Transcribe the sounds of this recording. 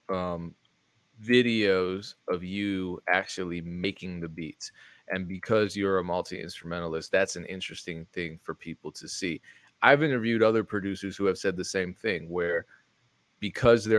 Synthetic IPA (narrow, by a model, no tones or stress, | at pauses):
ʌ̃m | vɪɾioʊzʌvjɨæk̚t͡ʃʉl̩ˠimeɪkɪ̃ŋðɨbitsʔɨ̃nbɨkʰʌzjə˞ɨmʌlˠtʰiʔɪ̰̃nstɹ̥ɨmɛ̃ɾ̃l̩ˠɨst̪̚ðætsn̩ʔɪ̰̃nt͡ʃɹ̥ɨstɪ̃ŋθɪ̃ŋfə˞pʰipl̩ˠtʰɨsi | ʔaɪvɪ̃ñtə˞vjʉɾʌðə˞pʰɹ̥ɨdʉsə˞z̥hʉɨv̥sɛd̪̚ðɨsẽɪ̃mθɪ̃ŋwə˞ | b̥ɨkʰʌzðə